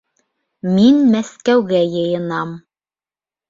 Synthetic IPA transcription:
minmæskæwɡæjɤ̆jɤ̆nɑm

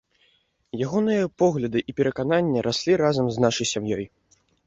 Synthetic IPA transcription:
jaɣɔnɨjɐpɔɣlʲɐd̪ɨʔipʲɛɾɐkananʲːɐɾʔasʲlʲiɾazɐmznaʂɐjsʲamjɔj

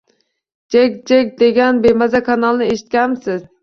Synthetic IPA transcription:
d͡ʒek̚ʲd͡ʒek̚ʲd̪eɡʲanbemazakʰɑnɑlˠnɪeʃɪ̥t̪̚kʲanmsɪz̥

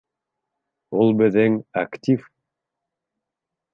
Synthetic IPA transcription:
ulˠbɘ̆ðɘŋaktʲif

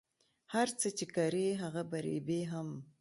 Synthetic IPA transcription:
haɾt͡sət͡ʃekaɾeɦaɣabaɾḛbeɦam

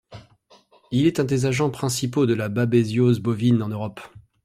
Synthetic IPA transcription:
ilɛt̪ɛ̃d̪ezaʒɑ̃pχɛ̃sipod̪əlababezjozbɔvinɑ̃nøʁɔp

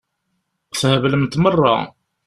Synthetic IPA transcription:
θhəvləmt̪mərˤːɑ̰

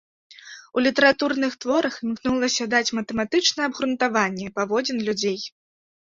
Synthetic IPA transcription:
ulʲit̪ɛɾat̪urnɨxt̪vɔɾɐxmknulˠɐsʲɐd̪at͡sʲmɐt̪ɛmat̪ɨt͡ʂnɐɛɐbɣɾunt̪avanʲːɛpavɔd͡zʲɛnlʲud͡zʲej

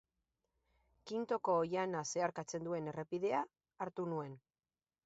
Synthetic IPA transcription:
kint̪o̞ko̞ːjanase̞aɾkat͡se̞nd̪ue̞ne̞repiðe̞aː | ɾt̪unue̞n

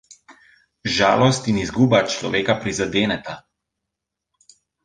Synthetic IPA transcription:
ʒa̰ːlɔst̪inizɡuːbat͡ʃlɔʋeːkapɾizad̪eːnɛt̪a

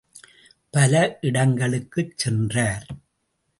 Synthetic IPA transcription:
pɐlɐʔɪɽɐŋɡɐɭɯkːɯt͡ʃsɛndraːɾ

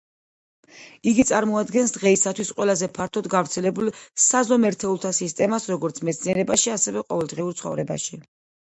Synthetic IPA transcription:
iɡit̪sʼaɾmɔad̪ɡɛnsd̪ʁɛisat̪ʰwisqʼwɛlˠazɛpʰaɾt̪ʰɔd̪ɡavɾt̪sʰɛlɛbulsazɔmɛɾt̪ʰɛulˠt̪ʰasist̪ʼɛmasɾɔɡɔɾt̪sʰmɛt̪sʰniɛɾɛbaʃiasɛvɛqʼɔvɛlˠd̪ʁiuɾt̪sʰχɔ̰vɾɛba̰ʃi

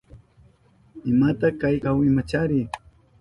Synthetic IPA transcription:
ɪmat̪akajkawɪmat͡ʃaɾɪ

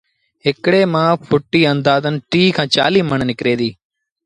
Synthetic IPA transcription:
ɦɪkɽeːmãːpʰʊʈːiːənd̪aːzənʈiːkʰãːt͡ʃa̰ːliːməɳnɪkɾeːd̪iː

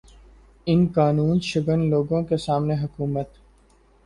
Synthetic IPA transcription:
ɪnkaːnuːnʃəɡənloːɡõkesaːmneɦʊkuːmət̪

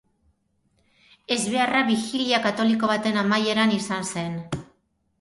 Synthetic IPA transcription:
e̞zβe̞araβixiliakat̪o̞liko̞β̞at̪e̞namaje̞ɾanisanse̞n

